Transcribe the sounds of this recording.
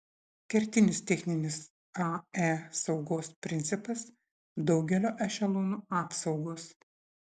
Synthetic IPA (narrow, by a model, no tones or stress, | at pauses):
kʲɛɾʲt̪ʲɪnʲɪst̪ʲɛxʲnʲɪnʲɪs | ɑːæsɒʊɡoːspʲɾʲɪnt̪sʲɪpɐs | d̪ɒʊɡʲɛlʲoːʔɛʃʲɛlˠuːnuːɑːpsɒʊɡoːs